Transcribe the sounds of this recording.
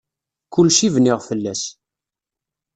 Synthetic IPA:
kʊlʃivniʁfəlːæs

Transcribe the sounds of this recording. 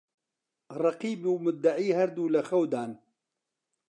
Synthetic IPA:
rˤɑqiːbiwmʊd̪ːaʕiːhɐɾd̪uːlɐxɐwd̪aːn

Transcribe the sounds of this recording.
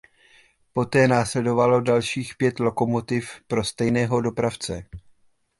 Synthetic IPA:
po̞t̪ɛːnaːslɛdo̞valo̞dalʃiːxpjɛt̪lo̞ko̞mo̞t̪ɪfpɾo̞st̪ɛjnɛːɦo̞do̞pɾaft͡sɛ̰

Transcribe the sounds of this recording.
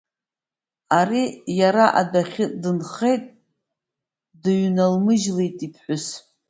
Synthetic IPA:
aɾijaɾaʔa̰daχʲɪdɨnχe̞jtʼ | dɨɥnalmɨʒlejtʼipʰħʷʊs

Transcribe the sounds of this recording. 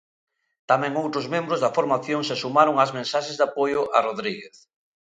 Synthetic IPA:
t̪amɛ̃ŋowt̪ɾʊzmẽmbɾozðɐfoɾmaθjoŋsesumaɾʊŋazmẽnsaʃezd̪apojʊʔaroðɾiɣeθ

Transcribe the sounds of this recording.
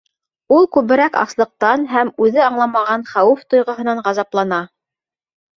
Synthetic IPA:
ulˠkʉβɘ̆ɾækɑ̰slˠɤ̆q̚t̪ɑnɦæmʉðɘɑɴlˠɑmɑʁɑnχæwʉft̪ŏjʁɤ̆ɦɤ̆nɑɴʁɑzɑplˠɑnɑ

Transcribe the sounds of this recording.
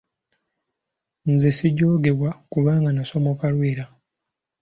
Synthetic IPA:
nzesiɟo̞ːɡe̞βwakuβaːŋɡanaso̞mo̞kalwiːɾa

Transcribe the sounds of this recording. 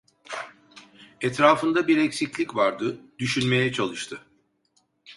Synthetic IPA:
ɛt̪ɾaːfɯnd̪abiɾɛcsiclʲicvaɾd̪ɯd̪̥yʃynme̞jɛt͡ʃʰalˠɯʃt̪ʰɯ

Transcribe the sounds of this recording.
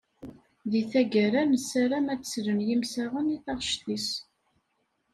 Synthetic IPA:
ðiθæɡəɾæməsæɾæmæt͡sːsɾənjimsæʁəniθɑʁʃt̪is

